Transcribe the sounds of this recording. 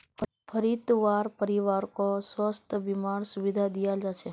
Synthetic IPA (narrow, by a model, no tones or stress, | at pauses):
pʰəɾit̪ʋaɾpəɾiʋaɾkosʋəst̪ʰəʋimaɽsuʋid̪ʱad̪ijad͡ʒaʃe